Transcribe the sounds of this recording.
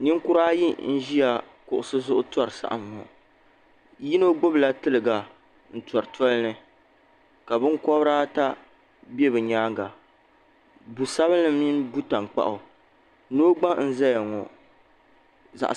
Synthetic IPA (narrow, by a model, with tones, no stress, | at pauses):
ni˦ŋkʊ˦ɾaː˦ji˦n̩˦ʒi˦a˨ | kʊ˨ʔʊ˨sɨ˦zʊ˦ʔʊ˦tɔ˦˨ɾɨ˨sa̰˦ʔa̰˨mːɔ̰˨ | ji˦no˦ɡ͡bo˦bla˦tɨ˦lɨ˨ɡa˨ | n̩˨tɔ˨ɾɨ˨tɔ˦lnɨ˨ | ka˨bɨ˦ŋ˦kɔ˦bɾaː˦ta˦ | bɛ˦bɨ˨ɲaː˦ɡa˨ | bu˨sa˦βɨ˦nːɨ˨mni˦nbu˦ta˨ŋk͡pa̰˦ʔʊ˨ | no˦ɡ͡ba˦n̩˦za˦ja˨ŋɔ˨ | za̰˨ʔ